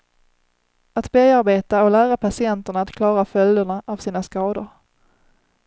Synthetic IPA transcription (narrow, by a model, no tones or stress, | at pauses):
at̪beːaɾbeːt̪aɔlæːɾapʰasɪɛnt̪əɳaːt̪kʰlɑːɾafœld̪əɳaʔavsiːnaskɑːd̪ʊ̰ɾ